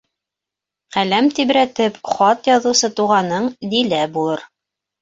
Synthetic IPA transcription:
qælæmt̪iβɾæt̪ɘpχɑt̪jɑðɤ̆wsɤt̪uʁɑnɤɴd̪ilæbulˠɤɾ

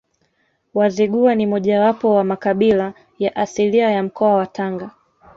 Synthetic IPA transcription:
waziɡuanimɔʄawapɔwamakaɓila | jaʔasiliajam̩kʰɔawataŋɡa

